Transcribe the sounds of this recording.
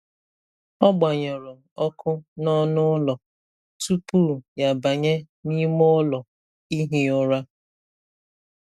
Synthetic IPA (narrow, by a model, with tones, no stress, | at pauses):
ɔ˦ɡ͡ba˨ɲɔ˨ɾɔ˨ | ɔ˦kʰʊ˦nɔ˦nʊ˦lɔ˨ | tu˦pu˦˨ja˨ba˨ɲe˦ | ni˦mo˦lɔ˨ | i˦ɦi˨ʊ˦ɾa˦